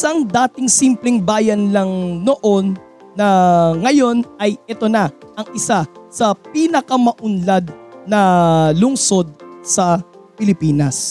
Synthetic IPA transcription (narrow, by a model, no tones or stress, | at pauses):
ʔɪsɐŋd̪aːt̪ɪŋsimplɛŋbaːjɐnlɐŋno̞ʔo̞nː | ɐŋɐjo̞nʔɐjʔɛt̪o̞nɐʔɐŋʔɪsasɐpinɐkɐmɐʔʊnlad̪̚nɐlʊŋso̞d̪̚sɐpɪlɪpiːnɐs